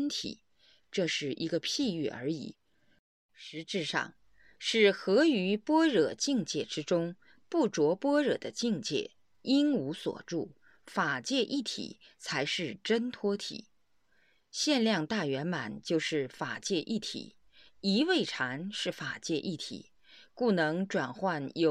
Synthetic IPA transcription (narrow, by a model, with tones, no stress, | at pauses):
nt̪ʰḭ˨˩˦ | ʈ͡ʂɤ˥˧ʂɻ̩˥˩ʔi˧˥ɡə˧pʰi˥˧y˥˩ə̰˞˧˥ḭ˨˩˦ | ʂɻ̩˧˥ʈ͡ʂɻ̩˥˧ʂɑ̰˥˩ŋ | ʂɻ̩˥˩xɤ˧˥y˧˥pwɔ˥ɻɤ˨˩t͡ɕi˥˧ŋt͡ɕjɛ˥˩ʈ͡ʂɻ̩˥ʈ͡ʂʊ˥ŋ | pu˥˩ʈ͡ʂwɔ˧˥pwɔ˥ɻɤ̰˨˩d̪ə˦t͡ɕi˥˧ŋt͡ɕjɛ̰˥˩ | i˥nu˧˥swɔ̰˨˩ʈ͡ʂu˥˩ | fa˨˩t͡ɕjɛ˥˧ʔi˥˩t̪ʰḭ˨˩˦t͡sʰa˧˥ɪʂɻ̩˥˩ʈ͡ʂə˥nt̪ʰwɔ˥t̪ʰḭ˨˩˦ | ɕjɛ˥˧nljɑ˥˧ŋt̪a˥˩ɥɛ˧˥nma˨˩nt͡ɕjo˥˧ʊʂɻ̩˥˩fa˨˩t͡ɕjɛ˥˧ʔi˥˩t̪ʰḭ˨˩˦ | i˧˥we˥˩ɪʈ͡ʂʰa˧˥nʂɻ̩˥˩fa˨˩t͡ɕjɛ˥˧ʔi˥˩t̪ʰḭ˨˩˦ | ku˥˩nɤ˧˥ŋʈ͡ʂwa˨˩nxwa˥˩njo˨˧